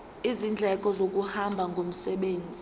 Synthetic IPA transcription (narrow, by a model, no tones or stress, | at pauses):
izind͡ɮʱɛk̬ʼɔzok̬ʼuhambʱaŋɡʱom̩sɛɓeːnd͡zʱi